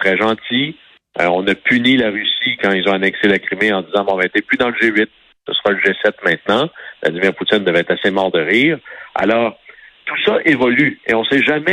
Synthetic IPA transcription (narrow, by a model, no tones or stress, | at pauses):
t̪ʁɛʒɑ̃t̪ḭ | ɔ̃napʰynilaʁysikɑ̃ilzɔ̃anɛkselakʁimeɑ̃d̪izɑ̃mɛ̃vaɛt̪epyd̪ɑ̃ləʒeɥɪt̪̚ | səsəʁɑləʒesɛt̪mɛ̃t̪nɑ̃vlʔa̰d̪imiʁput͡s̪ɪnd̪əvɛːt̪asemɑːʁd̪əʁiːʁa̰lɔːʁt̪usaʔevɔlyḛɔ̃sɛʒamɛ